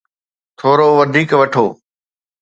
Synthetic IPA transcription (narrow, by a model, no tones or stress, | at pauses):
t̪ʰoːɾoʋɐd̪ʱiːkʋɐʈʰoː